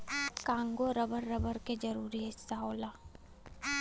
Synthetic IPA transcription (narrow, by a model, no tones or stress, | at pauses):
kãːŋɡoɾɐbəɾːɐbəɾked͡ʒɐɾuːɾiɦɪsːaɦoːlaː